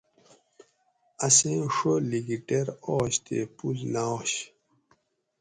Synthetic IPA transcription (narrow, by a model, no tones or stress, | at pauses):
ɐsẽʂoliɡiʈeɾoːɕt̪ḛpulnaoɕ